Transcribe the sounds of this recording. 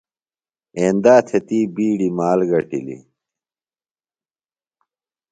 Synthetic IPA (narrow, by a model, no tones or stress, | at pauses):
eːnd̪aːt̪ʰet̪iːbiːɖimaːlɡɐʈḭlḭ